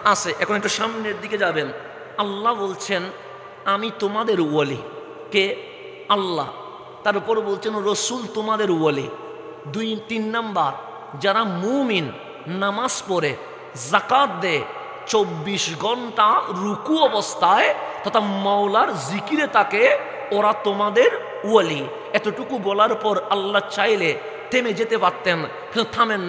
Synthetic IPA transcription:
at͡ɕʰeʔɛkʰonɛk̚ʈuʃamneɾd̪iked͡ʑaben | alːabolt͡ɕʰen | amit̪omad̪eɾuwalḭ | ke | alːa̰ | t̪aɾupɔɾbolt͡ɕʰenɾosult̪omad̪eɾuwali | d̪ujt̪inːambaɾ | d͡ʑaɾamuminː | amaspɔɾe | zakat̪̚d̪e | t͡ɕobːiʃɡʱɔnʈaɾukuɔbost̪ʰaet̪at̪ʰamɔwlaɾzikiɾet̪ake | oɾat̪omad̪eɾ | uali | ɛt̪oʈukubɔlaɾpɔɾalːat͡ɕajle | t̪emed͡ʑet̪epat̪ːen | kt̪ʰamenː

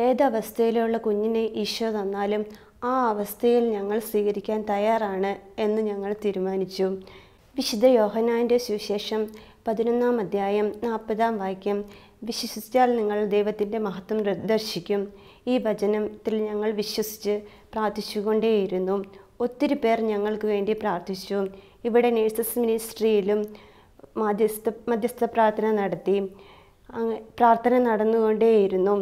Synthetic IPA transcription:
eːd̪ɐːʋɐst̪ʰɐjilejuɭːɐkuɲːineʔiːʂʋɐrðɐnːaːlum | aːɐʋɐst̪ʰɐjilɲɐŋːɐɭsʋiːɣɐɾikʲːaːnt̪ɐjaːraːɳɨe̞nːɨɲɐŋːɐɭt̪iːɾumaːnit͡ɕːu | ʋiɕud̪ɐjo̞ːɦɐnːaːnde̞suɕe̞ːʂɐm | pɐðino̞nːaːmɐd̪ʱjaːjɐmnaːpːɐðaːmʋaːkʲːjɐm | ʋiɕwɐswɐsi̥kʲːaːlniŋːɐɭd̪e̞jʋɐt̪ːinde̞mɐɦɐt̪ːwɐmrɨd̪ɐrɕikʲːum | iːbʱɐt͡ɕɐnɐmt̪ːilɲɐŋːɐɭʋiɕwɐsi̥t͡ɕːɨ | praːrt̪ʰit͡ɕːuɣo̞ɳɖeːjiɾunːuo̞t̪ːiɾupe̞ːrɲɐŋːɐɭkɨʋe̞ːɳɖipraːrt̪ʰit͡ɕːu | iʋiɽe̞neːsɐsminisʈrijilum | mɐd̪ʱjɐst̪ɐmɐd̪jɐst̪ʰɐpraːrt̪ʰɐnɐnɐɽɐt̪ːi | ɐpraːrt̪ʰɐnɐnɐɽɐnːuɣo̞ɳɖeːjiɾunːu

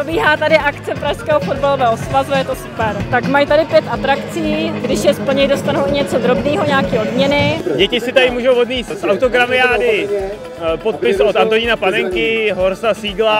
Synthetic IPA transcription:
obiːɦaːt̪adɪʔakt͡sɛpɾaʃskɛːɦofodbalovɛːɦosvazuajɛt̪o̞su̥pɛɾt̪akmajt̪adɪpjɛt̪ʔat̪ɾakt͡siːɡdɪʃjɛspl̩ɲɛjdo̞st̪anuwɪɲɛt͡so̞d̪ɾo̞bniːɦo̞ɲaːkiːo̞dmɲɛnɪɟɛcɪsɪt̪adɪmuːʒowvod̪miːssʔawt̪oɡɾamɪaːdɪ | pot̪̚pɪsot̪ant̪oɲɪnapanɛŋkɪɦoɾsasiːɡla

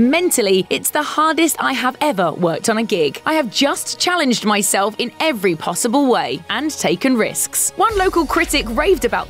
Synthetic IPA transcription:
mɛ̃ntʰəliɪtsðəhɑːdɪsta̰ɪəvɛvəwɜˑk̚tn̩əɡɪɡ̥ʔaɪəvd͡ʒʌst͡ʃʰalɪ̃nd͡ʒdmaɪsɛlˠfɪ̃nɛvɹipʰɒsəbəlˠweɪʔə̃ntʰeɪkə̃nɹɪ̰skswʌ̃nləʊkəlˠkʰɹ̥ɪtɪkɹeɪvdəbaʊʔ

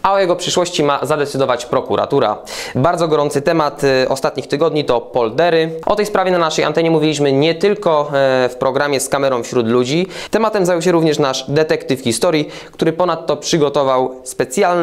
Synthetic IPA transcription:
aɔjɛɡɔpʂɘʂwɔɕt͡ɕimazad̪ɛt̪sɘd̪ɔvat͡ɕpɾɔkuɾʔa̰t̪uɾa̰baɾd̪zɔɡɔɾɔnt̪sɘt̪ɛmat̪ɔ̰st̪at̪ɲixt̪ɘɡɔd̪ɲit̪ɔpɔld̪ɛɾɘʔɔt̪ɛjspɾavʲjɛnanaʂɛja̰nt̪ɛɲɛmuvʲilʲiɕmɘɲɛt̪ɘlkɔfpɾɔɡɾamʲjɛskamɛɾɔ̃w̃fɕɾud̪lud͡ʑit̪ɛmat̪ɛmzajuwɕ̬ɛɾuvɲɛʂnaʂd̪ɛt̪ɛkt̪ɘfxʲist̪ɔɾʲji | kt̪uɾɘpɔnat̪ːɔpʂɘɡɔt̪ɔvawspɛt̪sʲjaln

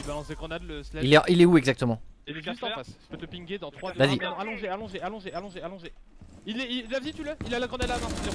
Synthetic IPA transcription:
valɔ̃seɡʁɔ̃nad̪ləslɛilɛ̃ilɛuɛɡzak̚t̪əmɑ̃ilɛyst̪ɑ̃faspøt̪əpĩŋɡʲed̪ɑ̃t̪χwad̪vazĩalɔ̃ʒealɔ̃ʒealɔ̃ʒealɔ̃ʒealɔ̃ʒe | ilɛilːazit̪yləilalaɡʁɔ̃nad̪lavɛ̃

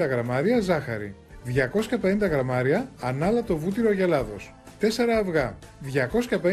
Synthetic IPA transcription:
ɐɣɾɐmɐɾiɐzɐxɐ̰ɾḭ | ðʝɐko̞sçɐpe̞nind̪ɐɣɾɐmɐɾiɐːnɐlɐt̪o̞vut̪iɾo̞ʝelɐðo̞s | t̪e̞se̞ɾɐːvɣɐ | ðʝɐko̞sçɐpe̞

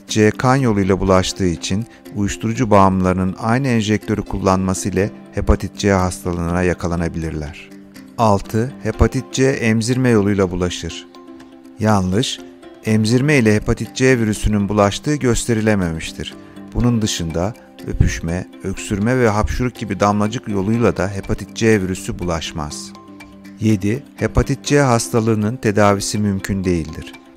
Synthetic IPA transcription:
t̪̚t͡ʃeɛkʰanjo̞lˠujlˠabulˠaʃt̪ʰɯːit͡ʃʰin | ujuʃt̪ʰuɾud͡ʒubaːmlˠaɾɯnɯnajnɯɛnʒɛc̚t̪ʰø̞ɾykʰulˠːanmasɯjlʲɛ | hepʰat̪ʰit̪̚t͡ʃeɛɦast̪ʰalˠɯːnajakʰalˠanabilʲiɾlʲæɾ̝̥ | alˠt̪ʰɯhe̞pʰat̪ʰit̪̚t͡ʃɛɛʔɛmziɾmɛjo̞lˠujlˠabulˠaʃɯɾ̥ | janlˠɯʃ | ɛmziɾmɛilʲɛhepat̪ʰit̪̚t͡ʃeviɾysynynbulˠaʃt̪ʰɯːɟø̞st̪ʰe̞ɾilʲememiʃt̪ʰiɾ̥ | b̥unund̪ɯʃɯnd̪a | ø̰pʰyʃmɛ | øcsyɾmɛvɛɦapʃuɾuk̚ɟibid̪amlˠad͡ʒɯkjo̞lˠujlˠad̪aɦe̞pʰat̪ʰit̪̚d͡ʒeviɾysybulˠaʃma̰z̥ | je̞d̪ihepat̪ʰit̪̚t͡ʃɛɦast̪ʰalˠɯːnɯnt̪ʰe̞d̪aːvisimymcʰynd̪e̞jilʲd̪iɾ̝̥

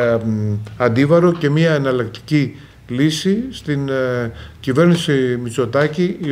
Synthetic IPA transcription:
ɐnd̪ivɐɾo̞ce̞miɐːnɐlɐk̚t̪i̥ci | lisist̪in | cive̞ɾnisimit͡so̞t̪ɐcii

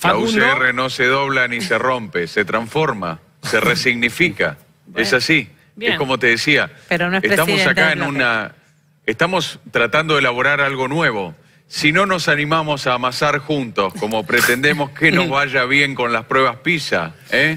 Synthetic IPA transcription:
lauseereno̞se̞ðo̞βlanisero̞mpeset̪ɾaɱfo̞ɾma̰ | seresiɣnifika̰ | esasi | eko̞mo̞t̪e̞ðesiapɾoneest̪ammosakaenuna | eht̪amo̞st̪ɾat̪and̪o̞ðelaβoɾaɾalɣo̞nwe̞βo̞ | sino̞no̞sanimamo̞saːmasaɾxunt̪o̞sko̞mo̞pɾet̪end̪emo̞skeno̞zβaʒaβ̞je̞ŋko̞nlaspɾweβaspisa̰e

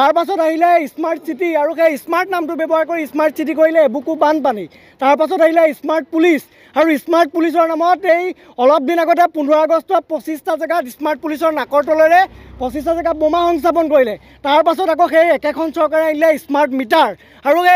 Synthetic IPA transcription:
taɹpasɔtaɦilɛismaɹtsitiaɹuxejismaɹtnamtʊbɛbɔɦaɹkoɹiismaɹtsit̬ikoɹilɛebukubanpani | taɹpasɔtaɦilɛismaɹt̚pulis | aɹuismaɹt̚pulis̬ɔɹnamɔtej | ɔlɔp̚dinaɡɔtɛpundʱɔɹaɡɔstɔpɹɔsistazɛɡatismaɹt̚pulis̬ɔɹnakɔɹtɔlɔɹɛpɔsistazɛɡabɔmaxɔŋs̬ap̬ɔnkoɹilɛ | taɹpasɔtak̬ɔxejɛkɛkʰɔnsɔɹkaɹɛaɦilɛismaɹtmitaɹ | aɹuxe

